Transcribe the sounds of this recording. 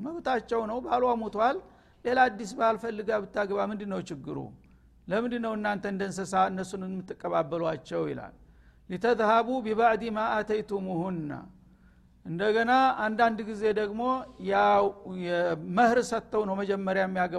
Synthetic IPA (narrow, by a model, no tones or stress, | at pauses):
məβt̪at͡ʃːɛwnəwbalwamut̪ʰwalː | e̞lad̪ːisbalfəlːɨɡabɨt̪ːaɡəβamɨnd̪ɨnːəwt͡ʃɪɡːɨɾṵ | ləmɨnd̪ɨnːəwɨnːant̪ʰəɨnd̪ənsəsaɨnːəsunɨnmːɨt̪ːɨkʼːəβabːəlwat͡ʃːɛwjḭla̰lː | it̪ʰət̪haβubiβaʕd̪imaat̪ʰəjt̪ʰuməhunɨnːa̰ | ʔɨnd̪əɡənaand̪and̪ɡize̞d̪əɡmo̞jawjɛməhɾsət̪ʰːəwnəwməd͡ʒɛmːəɾjajɛmːijaɡə